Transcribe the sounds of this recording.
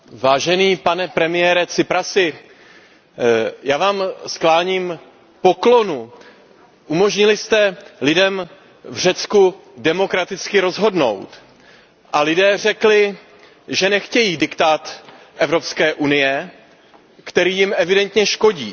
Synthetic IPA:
vaːʒɛniːpanɛpɾɛmɪjɛːɾɛt͡sɪpɾasɪ | jaːvaːmsklaːɲiːm | po̞klo̞nu | ʔumo̞ʒɲɪlɪst̪ɛlɪdɛm | vr̝ɛt͡skudɛmo̞kɾat̪ɪt͡skɪɾo̞zɦo̞dno̞̰wt̪ | ʔalɪdɛːr̝ɛklɪ | ʒɛnɛxcɛjiːdɪkt̪aːt̪ | ʔɛvɾo̞pskɛːʔunɪjɛ | kt̪ɛɾiːjɪmʔɛvɪdɛnt̪ɲɛʃko̞ɟiː

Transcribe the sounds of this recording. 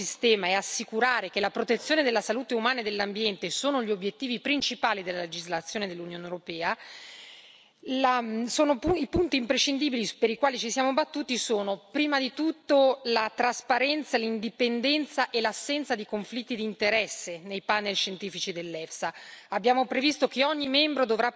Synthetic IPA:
ist̪ɛːmaɛasːikuɾaːɾekelapɾot̪et̪sjoːned̪elːasaluːt̪eumaːnaed̪elːambjɛnt̪esoːnoʎiobːjet̪ːiːvipɾint͡ʃipaːlid̪elːaled͡ʒizlat̪sːjoːned̪elːunjoːnewuɾopɛːa | lasoːnouipunt̪iːmpɾeʃːind̪iːbilipeɾikwaːlit͡ʃisjaːmobat̪ːuːt̪isoːnopɾiːmad̪it̪ut̪ːolat̪ɾaspaɾɛnt̪salind̪ipend̪ɛnt̪saʔelasːɛnt̪sad̪ikoɱflit̪ːid̪int̪eɾɛsːenejpanelʃent̪iːfit͡ʃid̪elːɛfsaabːjaːmopɾevist̪okeɔɲːimɛmbɾod̪ovɾa

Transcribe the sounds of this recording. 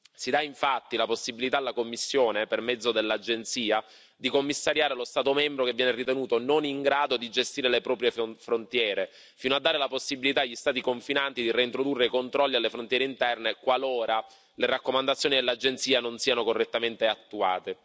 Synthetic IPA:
sid̪aiɱfat̪ːilaposːibilit̪aːlːakomːisːjoːnepermɛd̪zod̪elːad͡ʒent̪siːa | d̪ikomːisːaɾjaːɾelost̪aːt̪omɛmbɾokevːjɛːnerit̪enuːt̪ononiŋɡɾaːd̪od̪id͡ʒest̪iːɾelepɾɔːpɾjefɾont̪jɛːɾe | fiːnoad̪ːaːɾelaposːibilit̪aːʎːist̪aːt̪ikoɱfinant̪id̪ireint̪ɾod̪urːekont̪ɾɔlːialːefɾont̪jɛɾeint̪ɛrnekwaloːɾa | leɾakːomand̪at̪sjoːnid̪elːad͡ʒent̪siːanonsiːanokorːet̪ːament̪eat̪ːua̰ːt̪e

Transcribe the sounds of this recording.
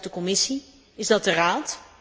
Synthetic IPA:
dəkɔmɪsi | ɪzdɑt̚dəraːt

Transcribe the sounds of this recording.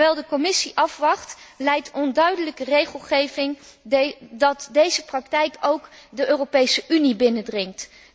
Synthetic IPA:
ɛlˠdəkɔmɪsiʔɑfʋɑχtlɛjtɔndœɥdələkərejχəlˠχejvɪŋ | dɑtdejzəprɑktɛjkowkdəʔøːropejsəʔynibɪnədrɪŋt

